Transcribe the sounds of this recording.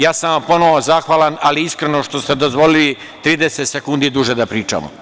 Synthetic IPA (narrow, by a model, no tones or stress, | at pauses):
jaːsamapo̞noʋozaːxʋaːlanaliiskɾeno̞ʃt̪ost̪e̞d̪o̞zʋo̞lili | t̪ɾiːd̪eset̪sekund̪id̪uʒed̪apɾiːt͡ʃa̰mo̰